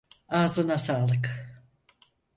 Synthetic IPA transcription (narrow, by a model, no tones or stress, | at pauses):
aːzɯnasaːlɯk